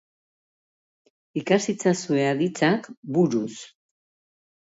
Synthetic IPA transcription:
ikasit͡sasue̞aðit͡sakbuɾus

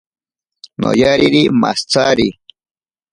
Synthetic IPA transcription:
no̰jaɾiɾima̰st͡saːɾi

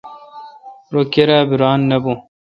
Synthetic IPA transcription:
ɾokeɾaːbiɾaːnːɐbu

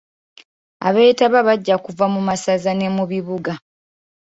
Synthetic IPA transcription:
a̰βe̞ːtaβaβaɟːakuvamumasazane̞muβiβuɡa

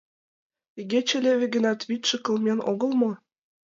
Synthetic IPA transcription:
iɡʲet͡ɕɘ̆lʲeβʲɘ̆ɡə̆nɑt̪βʲit̪ʲʃɘ̆kɤ̆lˠmʲenoɣɤ̆lˠmɤ̆

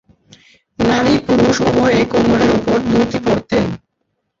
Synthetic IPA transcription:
naɾipuɾuʃoɦɔeekomoɾeɾopoɾd̪uɾt̪ipoɾt̪en

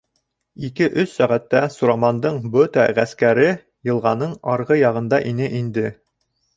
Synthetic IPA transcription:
ikɘʔɵsːæʁæt̪ːæsuɾɑmɑnd̪ɤɴbɵt̪æ̰ʁæskæɾɘ | jɤ̆lˠʁɑnɤɴɑɾʁɤjɑʁɤ̆nd̪ɑʔinɘʔind̪ɘ

